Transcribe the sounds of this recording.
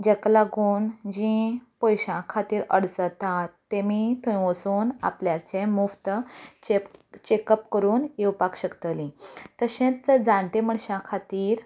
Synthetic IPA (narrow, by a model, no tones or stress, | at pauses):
d͡ʑɛklaɡuːnd͡ʑĩpɔjɕãkʰat̪iːɾəɽt͡sət̪at̪ːemit̪ʰõĩʋəsuːna̰pljat͡ɕẽmuft̪ət͡ɕet͡ɕekəpkəɾuːnjewpakɕəkt̪əlĩt̪əɕẽt͡st͡sd͡zãɳʈ̪ẽm̤əɳɕãkʰat̪iːɾ